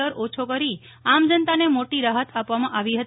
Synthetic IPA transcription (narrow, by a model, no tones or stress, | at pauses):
əɾot͡ʃʰokəɾi | amd͡ʒənt̪anemoʈiɾaɦət̪ʰapʋamãʔaʋiɦət̪